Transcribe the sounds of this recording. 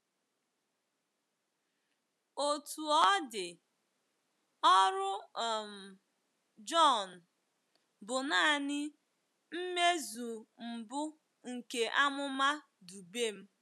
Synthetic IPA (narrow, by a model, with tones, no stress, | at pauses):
o˨tu˨ɔ˦dɪ˨ | ɔ˦ɾʊ˦˨m̩˨ | d͡ʒɔ˦˨n̩˨ | bʊ˨na˦˨nɪ˦ | m̩˦me˦zu˨m̩˨bʊ˦ | ŋ̩˨ke˨ʔa˦mʊ˦ma˦ | du˨be˦m̩˦